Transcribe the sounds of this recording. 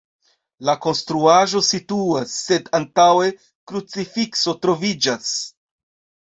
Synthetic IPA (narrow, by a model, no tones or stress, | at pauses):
lako̞nstɾuaʒo̞situasːe̞dantawe̞ | kɾut͡sifikso̞tɾo̞vid͡ʒas